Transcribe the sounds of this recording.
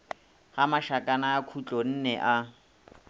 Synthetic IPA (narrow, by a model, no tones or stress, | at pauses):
hamaʃakʼanaːkʰut͡ɬʼɔn̩nɛʔa